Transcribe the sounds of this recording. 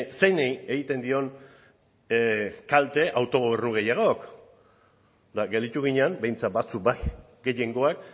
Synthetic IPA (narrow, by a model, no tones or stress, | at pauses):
se̞jneje̞ɣit̪e̞nd̪io̞n | kalt̪e̞ʔawt̪o̞ɣ̞oβ̞e̞ɾnuɣe̞jaɣ̞o̞k | d̪aɡe̞ld̪it̪uɣ̞iɲeambe̞jnt͡sat̪̚bat͡suk̚baj | ɡe̞je̞ŋɡo̞ak̚